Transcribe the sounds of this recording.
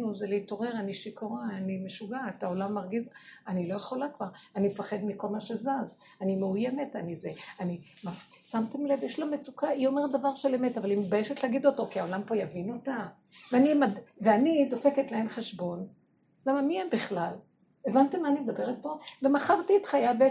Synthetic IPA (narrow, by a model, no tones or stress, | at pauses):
nuzeleito̞ʁe̞ʁaniʃikoʁaːnimeʃuɡatao̞lamːaʁɡizanilo̞jeχo̞lakvaʁanimefaχe̞d̪miko̞lmaʃe̞zaz | animeujeme̞tanizeanimaf | samtemlevjeʃloamet͡sukaio̞me̞ʁtd̪avaʁʃeleme̞tavalimbajeʃetleaɡido̞to̞kiaolampo̞javino̞ta | veanimadveanido̞fe̞ketlaemχeʃbo̞n | lamamiembiχlal | evantemaːnimed̪abe̞ʁet̚po̞ve̞maχaʁtietχajabe